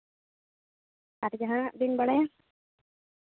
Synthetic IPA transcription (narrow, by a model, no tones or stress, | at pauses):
atd͡ʒaɦãd̪inbaɽaja